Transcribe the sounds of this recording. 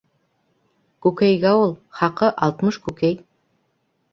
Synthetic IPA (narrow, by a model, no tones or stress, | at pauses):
kʉkæjɡæulˠχɑqɤʔɑlˠt̪mɤʃkʉkæj